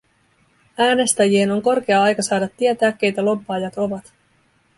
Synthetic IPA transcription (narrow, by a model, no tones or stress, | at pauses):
æːne̞st̪æjie̞no̞ŋko̞rk̟e̞ɑɑjkɑsɑːdɑt̪ːie̞t̪æːk̟ːe̞jt̪ælo̞bːɑːjɑt̪o̞ʋɑt̪